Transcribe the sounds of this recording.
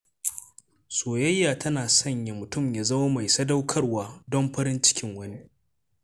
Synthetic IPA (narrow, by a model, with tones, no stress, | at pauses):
soː˨jɐ˦jːaː˨tʰɐ˦naː˨sɐ˦˨ɲja˨mʊ˨tʊ˦˨mjaː˨zɐ˦wa˦ma˨jsɐ˦da˦wkʰɐ˦rwaː˨dɔ˦mɸɐ˦ɾɪ˦nt͡ʃɪ̥˦kʲɪ˦ŋwɐ˦ni˦